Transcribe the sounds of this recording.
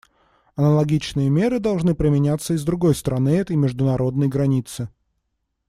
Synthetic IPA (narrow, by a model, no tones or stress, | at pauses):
ɐnəlˠɐɡʲit͡ɕnɨjəmʲe̞ɾɨd̪ɐlˠʐnɨpɾʲɪmʲɪnʲat̪sːəɪzd̪ɾʊɡo̞jst̪ɾɐnɨɛt̪əjmʲɪʐd̪ʊnɐɾo̞d̪nəjɡɾɐnʲit̪sɨ